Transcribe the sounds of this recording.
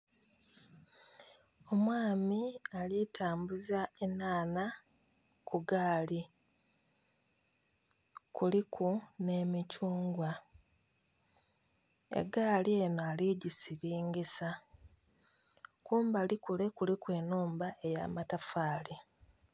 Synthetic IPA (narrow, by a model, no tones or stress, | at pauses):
o̞mwaːmialitʰaːmbuzaenaːna | kuɡaːli | kulikʰuneːmicuːŋɡwa | ḛɡaːlie̞ːnoaliɟisiɾiːŋɡisa | kuːmbalikule̞kulikwe̞ːnuːmbae̞ja̰ːmatafaːli